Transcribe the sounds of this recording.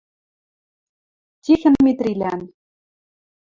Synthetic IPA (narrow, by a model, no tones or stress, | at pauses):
t̪ʲixɘ̆nmet̪rʲilʲæn